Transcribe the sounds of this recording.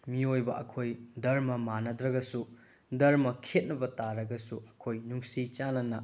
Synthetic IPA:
miojbɐʔɐkʰojdɐɾmɐmanɐdɾɐɡɐsu | dɐɾmɐkʰet̚nɐbɐtaɾɐɡɐsuɐkʰojnuŋsit͡ʃanɐnɐ

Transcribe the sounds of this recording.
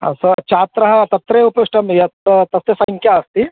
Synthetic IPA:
ɐ̰sɐt͡ʃaːt̪ɾɐɦɐt̪ɐt̪ɾeːupɐuʂʈɐmjɐt̪t̪ɐst̪esɐiŋkjaɐst̪i

